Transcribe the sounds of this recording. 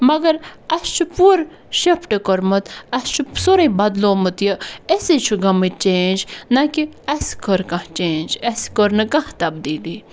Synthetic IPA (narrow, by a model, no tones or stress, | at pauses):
mɐɡɐɾɐst͡ʃʰupuːɾ | ʃepʰʈɐkoɾmɐt̪ɐst͡ʃʰusoɾɐbɐd̪loːmɨt̪jɐesit͡ʃʰuɡɐmɨt͡ʃeːnd͡ʒnɐkiɐskoɾkɐ̃ht͡ʃeːnd͡ʒɐskoɾnɨkɐht̪ɐb̚d̪iːd̪iː